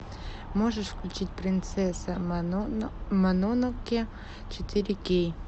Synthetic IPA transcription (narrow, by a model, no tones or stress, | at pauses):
moʐəʂfklʲʉt͡ɕit̚ʲpɾʲɪnt̪sɛsɐ | mɐnonokʲɪ | t͡ɕɪt̪ʰɪɾʲɪkʲej